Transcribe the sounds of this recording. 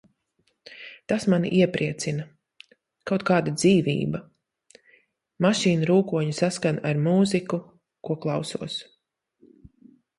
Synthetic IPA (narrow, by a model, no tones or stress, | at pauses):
t̪asmanḭʔiɛpɾiɛt̪sinɐ | kawt̪kaːd̪ad̪ziːvḭːbɐ | maʃiːnɾuːkuɔɲusaskanaɾmuːziku | kuɔklˠɑwsṵɔs